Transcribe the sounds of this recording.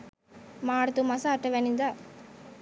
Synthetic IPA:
maːɽt̪umɐsaːʈːɐʋenind̪a

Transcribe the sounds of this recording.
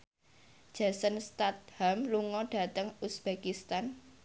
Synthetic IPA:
d̥ʒ̥a̤sənst̪at̪̚hamluŋɔɖ̥ä̤t̪əŋusb̥ekist̪an

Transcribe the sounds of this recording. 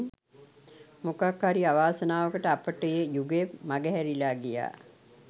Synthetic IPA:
mukakhaɾiaʋaːsənaːʋəkəʈəapəʈəjejuɡepmaɡəɦɛɾilaːɡija̰ː

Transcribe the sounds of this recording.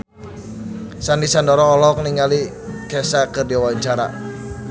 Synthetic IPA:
sandisandɔɾɔːlɔkniŋali | kɛsakɨrdiawaɲt͡ʃaɾa̰

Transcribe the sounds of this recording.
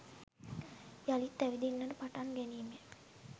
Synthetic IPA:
jalit̪ːæʋid̪inːəɾəpaʈaŋɡɛniːme

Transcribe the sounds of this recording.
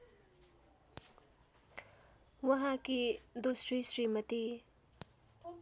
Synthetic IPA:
wɐɦãkid̪osɾisɾimət̪i

